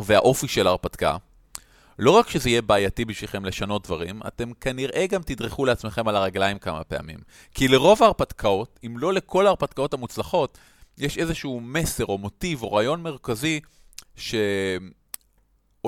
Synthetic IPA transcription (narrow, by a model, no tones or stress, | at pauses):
vea̰ʔo̞fiʃe̞laʁpatkaa̰ | lo̞ʁakʃezeije̞baːjatibiʃviχe̞mleʃano̞t̚d̪vaʁima̰te̞mkaniʁʔe̞ɡamt̪idʁeχuleat͡sme̞χe̞malaʁaɡlajimkama̰pe̞a̰mḭm | kile̞ʁo̞vaːʁpatkʰao̞timlo̞le̞kʰo̞laːʁpatkao̞thamut͡slaχo̞t | jeʃe̞zeʃuːme̞se̞ʁo̞mo̞tivo̞ʁajo̞nme̞ʁ̞kazi | ʃe̞m